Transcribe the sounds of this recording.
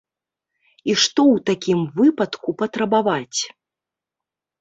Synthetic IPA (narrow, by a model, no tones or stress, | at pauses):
iʂt̪ɔwt̪akʲimvɨpɐt̪kupɐt̪ɾɐbavat͡sʲ